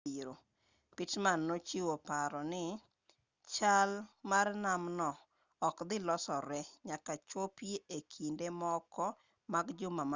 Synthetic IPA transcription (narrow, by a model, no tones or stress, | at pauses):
iɾo | pɪtmanːot͡ʃiwopaɾɔnɪ | t͡ʃalmarnamnɔ | ɔkd̪ɪlɔsɔɾɛɲakat͡ʃopieekʰindemɔkɔ | maɡd͡ʒʊmama